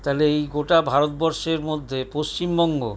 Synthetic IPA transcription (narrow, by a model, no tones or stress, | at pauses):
t̪aleejɡoʈabʱaɾot̪bɔɾʃeɾmod̪ʱːepost͡ɕimbɔŋɡo̰